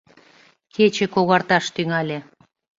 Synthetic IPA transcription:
kʰet͡ɕĕkoɣɑrt̪ɑʃt̪yŋælʲe

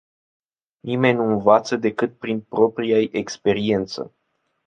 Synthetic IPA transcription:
nime̞nʲnuɨnvat̪səd̪e̞kɨt̪̚pɾinpɾo̞pɾijajekspe̞ɾie̞nt̪sə̰

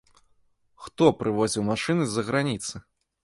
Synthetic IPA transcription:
xt̪ɔpɾʔɨvɔzʲiwmaʂɨnɨzɐɣɾanʲit̪sɨ

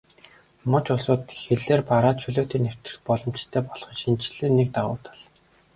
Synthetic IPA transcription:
mɔ̆t͡ɕʊɮsʊːt̪xeɮeːrpaɾaːt͡ɕʰɵɮoːt̪iːner̥t̪rɘ̆xpɔɮɞ̆m̥t͡ɕt̪ʰːeːpɔɮχɞ̆ʃint͡ɕɮɘ̆ːnːek̚t̪aʁʊ̰ːt̪ə̥̆ɮ

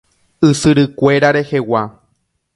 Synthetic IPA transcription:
ɨsɨɾɨkʷe̞ɾaɾe̞he̞wa

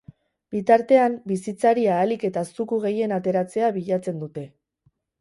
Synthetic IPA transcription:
bit̪aɾt̪e̞ambisit͡saɾiaːlike̞t̪asukuɣ̞e̞je̞nat̪e̞ɾat͡se̞aβiʎat͡se̞nd̪ut̪e̞

